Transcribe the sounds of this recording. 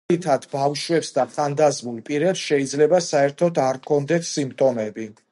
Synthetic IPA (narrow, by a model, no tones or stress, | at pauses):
it̪ʰad̪̥bafʃwɛpsd̪aχʰand̪azmulˠpʼiɾɛpsʃɛid̪zlɛbasaɛɾt̪ʰɔt̪ʰaɾkʰɔnd̪ɛsːimpt̪ʼɔmɛbi